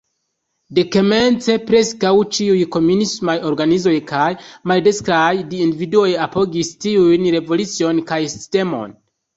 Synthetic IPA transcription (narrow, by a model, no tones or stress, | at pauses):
dekeme̞nt͡se̞pɾe̞skawt͡ʃiujko̞munismajo̞ɾɡanizo̞jkajmaldeskɾajdiːndividuo̞japoɡistiujnɾe̞vo̞lut͡sio̞nkajsi̥ste̞mo̞̰n